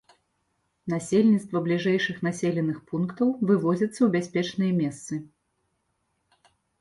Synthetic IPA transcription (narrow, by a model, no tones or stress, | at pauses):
nasʲelʲnʲit̪st̪vɐblʲiʐɛjʂɨxnasʲelʲɛnɨxpunkt̪ɐwvɨvɔd͡zʲɐt̪sːɐwbʲasʲpʲɛt͡ʂnɨjɐmʲɛst̪sɨ